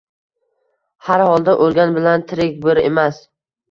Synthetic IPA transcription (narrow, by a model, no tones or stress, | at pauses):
haɾhɒlˠd̪aʔolˠɡʲanbɪlant̪ʰɪɾɪk̚ʲbʊɾemas